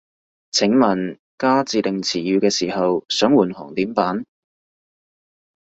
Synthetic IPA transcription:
t͡sʰɪ˨˥ŋmɐ˨˩n | kaː˥t͡siː˨˧t̪ɪ˨ŋt͡sʰiː˨˩jyː˨˧kɛː˧siː˨˩hɐ˨wsœː˨˥ŋwuː˨˩nhɔ̰ː˨˩ŋt̪iː˨˥mpaː˨˥n

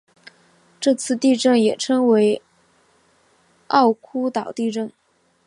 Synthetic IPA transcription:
ʈ͡ʂɤ˥˧t͡sʰɹ̩˥˧t̪i˥˧ʈ͡ʂɤ˥˩ŋjɛ˨˩ʈ͡ʂʰɤ˥ŋwe˧˥ɪ | ɑ˥˩ʊkʰu˥t̪ɑ˨˩ʊt̪i˥˧ʈ͡ʂɤ˥˩ŋ

